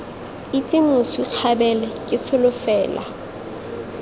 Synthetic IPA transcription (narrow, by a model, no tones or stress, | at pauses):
itʼɪmʊswiq͡χʰabɛlɛkʼɪsʰʊlʊfɛːla̰